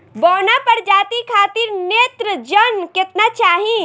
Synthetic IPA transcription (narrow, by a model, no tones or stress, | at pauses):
bɔːnapɐɾd͡ʒaːt̪ikʰaːt̪ɪɾneːt̪ɾəd͡ʒənkɪt̪nat͡ʃaːɦĩ